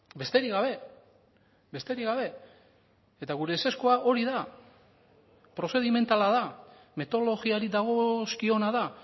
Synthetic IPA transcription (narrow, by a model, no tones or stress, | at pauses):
be̞st̪e̞ɾiɣaβe̞ | be̞st̪e̞ɾiɣaβe̞ | et̪aɣ̞uɾe̞se̞skuaʔo̞ɾiða | pɾo̞se̞ð̞ime̞nt̪alaða | me̞t̪o̞lo̞ɣiaɾid̪aɣ̞o̞skio̞naða